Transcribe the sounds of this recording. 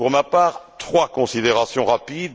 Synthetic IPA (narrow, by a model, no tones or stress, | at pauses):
uʁmapaːʁt̪χwakɔ̃sid̪eʁasjɔ̃ʁapid̪